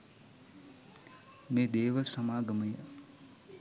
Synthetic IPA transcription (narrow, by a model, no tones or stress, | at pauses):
mẽd̪eːʋɐsɐmaːɡɐmɐjɐ